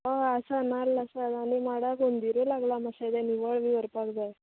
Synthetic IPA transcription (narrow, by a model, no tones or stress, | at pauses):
aasanalːəsad̪aɽ̃imaɽakond̪iɾulaɡlamasad̪aniʋəɭʋiʋəɾpakd͡zaj